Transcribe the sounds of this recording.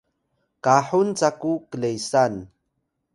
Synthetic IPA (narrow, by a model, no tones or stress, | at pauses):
kaħunt͡sakukəlejsan